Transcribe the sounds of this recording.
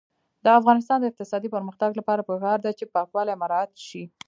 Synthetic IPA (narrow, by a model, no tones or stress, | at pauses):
d̪əafɣɑnɪs̬t̪ɑnd̪əɪq̚t̪ɪsɑd̪ipəɾməxt̪aɡlapɑɾapəkɑɾd̪at͡ʃepɑkwɑlamaɾɑat̪ʃi